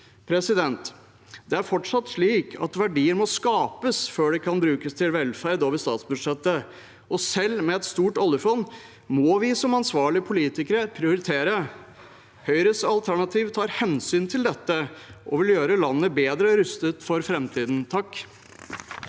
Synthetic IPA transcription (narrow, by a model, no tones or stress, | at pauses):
pʰɾɛsɪd̪ɛnt̪ | d̪ɛæɾfɔʈʂɑt̪ːʂɭiːkʰɑ̰t̪ʋæɖiːəɾmɔskɑːpəsføːɖɛkʰɑnbɾʉːkəst̪ʰɪlʋɛlfæɾd̪oːʋəʂt̪ɑ̰ːt̪sbʉd̪ʂɛt̪ːə | ʔɔsɛlːmɛɛt̪st̪uːʈɔlːəɾfɔnː | mɔːʋɪsɔmɑnsʋɑːɭɪəpʰʊliːt̪ɪkəɾəpʰɾɪʊɾɪt̪ʰeːɾə | hœʏɾəsɑlt̪ʰæɳɑt̪ʰiːʋt̪ʰɑːɾhɛnsyːnt̪ʰɪld̪ɛt̪ːəʔɔ̰ʋɪljøːɾəlɑnːəbeːd̪ɾəɾʉst̪ət̪fɔɾfɾɛmt̪ʰiːd̪n̩t̪ʰɑkː